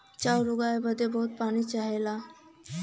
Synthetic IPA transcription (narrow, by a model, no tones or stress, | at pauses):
t͡ɕawɾuɡaebəd̪ebɔɦut̪̚panit͡ɕaɦela